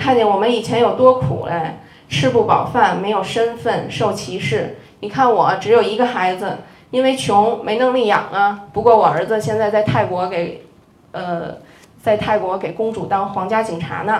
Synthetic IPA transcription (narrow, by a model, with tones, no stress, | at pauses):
kʰa˥˧nt͡ɕjɛ˥˩nwɔ˨˩mə˧˦ni˨˩t͡ɕʰjɛ˧˥njo˨˩ʊt̪wɔ˥kʰṵ˨˩lʔɛ˥ | ʂɻ̩˥˧pu˥˩pɑ˨˩ʊfa˥˩nme˧˥ɪjo˨˩ʊʂə˥nfə˥˩nʂo˥˩ʊt͡ɕʰi˧˥ʂɻ̩˥˩ni˨˩kʰa˥˩nwɔ˨˩ʈ͡ʂɻ̩˧˥jo˨˩ʊi˧˥ɡə˧xa˧˥ɪd͡zɹ̩˧ | i˥nwe˥˩ɪt͡ɕʰjʊ˧˥ŋme˧˥ɪnɤ˧˥ŋli˥˩jɑ̰˨˩ŋə˦pu˧˥kwɔ˥˩wɔ˨˩ə˞˧˥d͡z̩˧ɕjɛ˥˧nt͡sɪt͡sa˥˧ɪt̪ʰa˥˩ɪkwɔ˧˥ke˨˩ɪ | ə˧ | t͡sa˥˧ɪt̪ʰa˥˩ɪkwɔ˧˥ke˨˩ɪkʊ˥ŋʈ͡ʂu˨˩t̪ɑ˥ŋxwɑ˧˥ŋt͡ɕja˥t͡ɕi˨˩ŋʈ͡ʂʰa̰˧˥nə˧